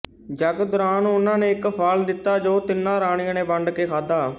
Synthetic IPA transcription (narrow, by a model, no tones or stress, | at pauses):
d͡ʒəɡd̪ʊɾaːnːʊnãːneːɪkpʰaːld̪ɪt̪ːaːd͡ʒoːt̪ɪnːãːɾaːɽ̃ɪiãːnẽːbəɳɖkeːkʰaːd̪aː